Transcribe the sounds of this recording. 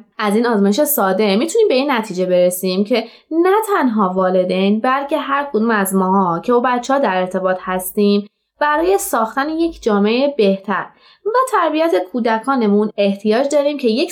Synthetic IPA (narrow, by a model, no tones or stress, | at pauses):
ʔæziːnɒːzmɒːjeʃe̞sɒːd̪e̞mit̪ʰuniːmbe̞iːnːæt̪ʰiːd͡ʒe̞be̞ɾesiːmcʰe̞ | næt̪ʰænɦɒːvɒːle̞d̪ejnbælcʰe̞ɦæɾkʰod̪uːmæzmɒːɦɒːcʰe̞moːbæt̪t͡ʃʰːehɒːd̪æɾe̞ɾt̪ʰe̞bɒːt̪hæst̪iːm | b̥æɾɒːje̞sɒːxt̪æne̞je̞cʰd͡ʒɒːmeejebe̞ht̪ʰæɾ | væt̪ʰæɾbijæt̪ʰe̞kʰuːd̪ækʰɒːne̞mune̞ht̪ʰijɒːd͡ʒd̪ɒːɾiːmcʰe̞je̞k